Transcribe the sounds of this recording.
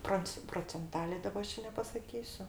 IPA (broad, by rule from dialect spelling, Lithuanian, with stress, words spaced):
ˈproːnt͡s proːt͡sʲɛnˈtɑːlʲeː ˈdɑːbɐ ˈɐʃ t͡ʃʲɛ nʲɛpɐsɐˈkʲiːsʲʊ